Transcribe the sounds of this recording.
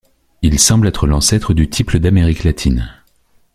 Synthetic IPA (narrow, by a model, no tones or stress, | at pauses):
ilsɑ̃blɛt̪χəlɑ̃sɛt̪χəd̪yt̪ʰipləd̪ameʁiklat̪ʰin